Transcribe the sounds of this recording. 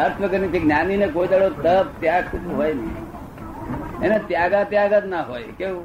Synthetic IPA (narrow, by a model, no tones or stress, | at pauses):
əɾt̪ʰʋəkəɾnit̪ʰiɡnʲjaninekoid̪əɽot̪əb̚t̪jaɡsud͡ʒuɦojnḭ | enat̪jaɡat̪jaɡət̪naɦojkeũ